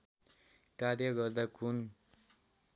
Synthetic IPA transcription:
kaɾjʌɡʌrd̪akun

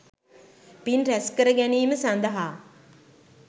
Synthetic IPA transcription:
pinræskəɾəɡæniːməsand̪əɦaː

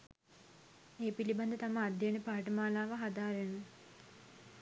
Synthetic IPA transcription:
eːpiliband̪ət̪aməːd̪jenəpaːʈəmaːlaːʋəɦad̪aːɾenə

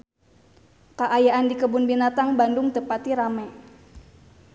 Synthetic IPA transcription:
kaʔajaʔandikəbʊnbinat̪aŋbandʊŋt̪əpat̪iɾamɛ

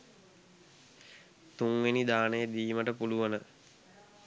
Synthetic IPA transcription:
t̪uŋʋenid̪aːnəjəd̪iːməʈəpuluʋənə

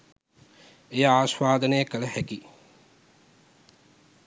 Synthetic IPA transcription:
ejəaːsʋaːd̪ənəjəkələhæki

